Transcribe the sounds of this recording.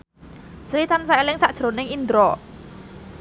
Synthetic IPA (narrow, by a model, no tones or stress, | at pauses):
sɾit̪ansaelɪŋsaʔd̥ʒ̥ɾonɪŋind̪ɾɔ